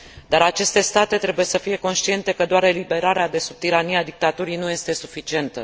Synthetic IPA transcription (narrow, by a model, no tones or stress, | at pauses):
d̪aɾat͡ʃe̞st̪e̞st̪at̪e̞t̪ɾe̞buje̞səfije̞ko̞nʃt̪ie̞nt̪e̞kəd̪oaɾe̞libe̞ɾaɾead̪e̞sub̚t̪iɾaniad̪ik̚t̪at̪uɾijnuje̞st̪e̞sufit͡ʃie̞nt̪ə